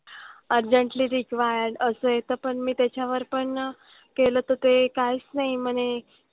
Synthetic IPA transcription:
əɾd͡ʑəɳʈliːɾikʋaajaəsəjet̪əpəɳmiːt̪jat͡ɕjaʋəɾpəɳ | kelət̪ət̪ekajt͡snaɦim̤əne

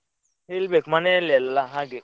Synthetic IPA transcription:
helbekmanɛlɛlalaɦãɡe

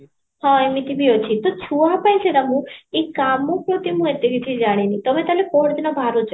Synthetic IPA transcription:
hɔ̃emit̪ibiot͡ɕʰit̪ot͡ɕʰuapajseɾamũekamopɾot̪imũet̪ekit̪ʰid͡ʑaɽ̃enit̪ɔmet̪alepɔɽd̪inɔbʱaɾut͡ʃ

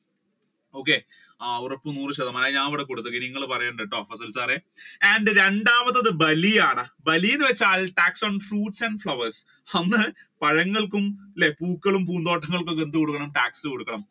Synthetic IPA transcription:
o̞ːk̬ːe | aurɐpːunuːrɨɕɐðɐmɐnaɲaːɐʋiɽekoɽut̪ːuɐɣiniŋːɐɭpɐrɐjuɳɖeʈːoːfɐsɐlsaːreɐɳɖɨɾe̞ɳɖaːʋɐt̪ːɐðɨbɐlijaːɳɨbɐlijinːɨʋet͡ɕːaːɭʈaːksoɳfruːʈsɐɳɖfɭɐʋɐrs | ɐnːɨ | pɐɻɐŋːɐɭkumlepːuːkːɐɭumpuːnd̪o̞ːʈʰːɐŋːɐɭkukend̪ukoɽukːɐɳɐmʈaːksɨkoɽukːɐɳɐm

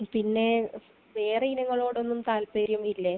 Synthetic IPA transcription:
pinːe̞ | ʋe̞ːrɐjinɐŋːɐɭo̞ːɽo̞nːumt̪aːlpeːɾjɐmilːe

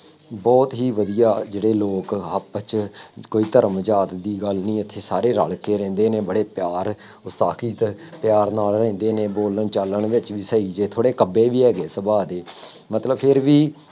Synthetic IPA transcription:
bɔːt̪ɦiːʋəd̪ijaːd͡ʒeːɽeːloːkəpt͡ʃkoːiːt̪əɾmd͡ʒaːt̪d̪iːɡəlnĩːət̪ʰːeːsaːɾeːɾə̰ɭkeːɾɛ̃ːnd̪eːneːbəɽeːpjaːɾ | ʊst̪aːkiːt̪ | pjaːɾnaːlɾɛ̃ːnd̪eːneːboːləɳt͡ʃələɳʋɪt͡ʃʋiːsəiːd͡ʒeːt̪ʰoːɽeːkəbeːʋiːɦɛːɡeːsəbaːd̪eːmət̪ləbpʰɪɾʋiː

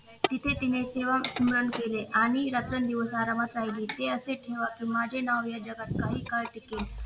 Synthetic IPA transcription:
t̪it̪ʰet̪ineseʋasməɾəɳkeleʔaɽ̃iɾat̪ɾənd̪iʋəsaɾamat̪ɾaɦiliːt̪eəseʈʰeʋakimad͡ʑʱenaʋjad͡ʑəkat̪̚kaɦiːkaɭʈike

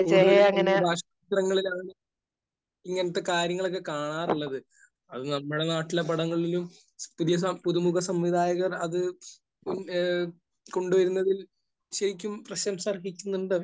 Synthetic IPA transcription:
ɐŋɐnbʱaːʂɐiːt̪rɐŋːɐɭilaːɳɨ | iŋːɐnɐt̪ːe̞kaːɾjɐŋːɐɭo̞k̬ːekaːɳaːruɭːɐðɨ | ɐðɨnɐmːuɽe̞naːʈːilep̬ɐɽɐŋːɐɭilum | puðijɐsɐpuðumuɣɐsɐmʋid̪ʱaːjɐɣɐrɐðɨ | ko̞ɳɖuʋɐɾunːɐðil | ɕɐɾikʲːumprɐɕɐmsɐrɦikʲːunːuɳɖɨ

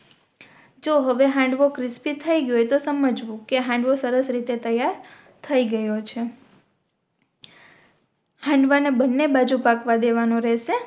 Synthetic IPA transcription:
d͡ʒoɦəʋeɦãɳɖʋokɾɪspit̪ʰːəiɡjojt̪osəməd͡ʒʋũkeɦãɳɖʋosəɾəsɾit̪et̪əjaɾ | t̪ʰəiɡəjot͡ʃʰe | hãɳɖʋanebənːebad͡ʒupakʋad̪eʋanõɾɛʃe

